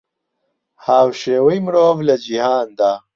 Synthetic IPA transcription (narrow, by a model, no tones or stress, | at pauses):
haːwʃeːwɐjmɽoːvlɐd͡ʑiɦaːnd̪a